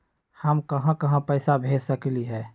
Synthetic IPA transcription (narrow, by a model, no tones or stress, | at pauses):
həmkəɦãkəɦãpəɪsabʱesəkliɦɛː